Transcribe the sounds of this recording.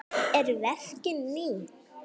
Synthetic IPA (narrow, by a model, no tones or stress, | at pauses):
ɛɾvɛfcɪniː